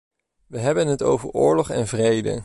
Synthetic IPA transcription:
ʋəɦɛbənɦəto̰wvəɹʊːɹlɔχɛ̰nvrejdə̰

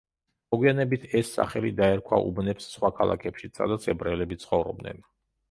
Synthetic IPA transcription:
mɔɡwianɛbit̪ʰɛsːa̰χɛlid̪aɛɾkʰwa̰ʔṵbnɛpsːχwakʰalˠa̰kʰɛpʃisʰa̰d̪at̪sʰɛbɾɛlɛbit̪sʰχɔvɾɔb̚d̪nɛ̰n

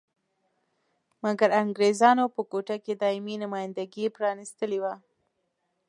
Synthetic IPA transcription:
maɡaɾaŋɡɾezɑnopəkoʈaked̪ɑɪminʊmɑjɪnd̪aɡipɾɑnist̪əlewa

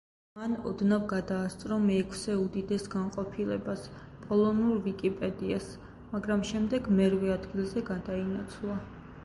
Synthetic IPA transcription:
manɔ̰d̪navɡad̪aːst̪sʼɾɔmɛːkʰsɛud̪id̪ɛsɡanqʼɔpʰilɛbas | pʼɔlˠɔnuɾvikʼipʼɛd̪ias | maɡɾamʃɛmd̪ɛɡmɛɾvɛad̪ɡilˠzɛɡad̪ainat̪sʰlˠa

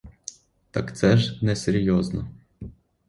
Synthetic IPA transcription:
t̪ɐkt̪sɛʒnɛseɾʲjɔznɔ

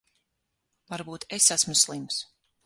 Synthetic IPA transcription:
vaɾbuːt̪esasmuslˠims

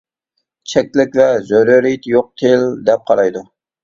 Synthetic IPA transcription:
t͡ʃʰɛk̚ʲlɪkʲvɛzøɾɪɾit̪ʰjoq̚t̪ʰeld̪ɛp̚qʰɑɾɑjd̪u

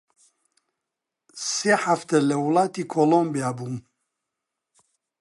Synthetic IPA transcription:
seːħaft̪ələwʊlˠɑːt̪iːkʰolombijabuːm

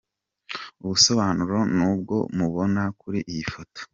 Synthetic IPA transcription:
uβuso̞βaːnuɾo̞nuːb̚ɡo̞muβo̞nakuɾiʔijifoto̥

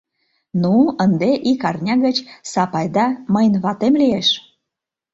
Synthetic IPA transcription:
nuənd̪eʔikɑrnʲɑɣət͡ɕsɑpɑjd̪ɑməjnβɑt̪emlijeʃ

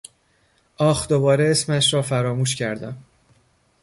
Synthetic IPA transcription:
ʔɒːxd̪o̞bɒːɾeesmæʃɾɒːfæɾɒːmuːʃcʰæɾd̪æm

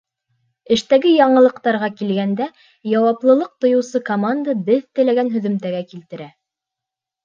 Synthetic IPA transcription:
ɘ̆ʃt̪æɡɘjɑɴɤ̆lˠɤ̆qt̪ɑɾʁɑkilɡænd̪æ | jɑwɑplˠɤ̆lˠɤq̚t̪ŏjɤ̆wsɤkomand̪abɘðt̪ɘ̆læɡænɦɵ̆ðɵ̆mt̪æɡækilt̪ɘ̆ɾæ

